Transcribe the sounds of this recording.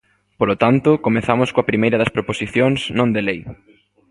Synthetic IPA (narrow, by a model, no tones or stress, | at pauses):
polot̪ant̪ʊkomeθamʊskoɐpɾimejɾɐðɐspɾoposiθjoŋsnõnd̪elej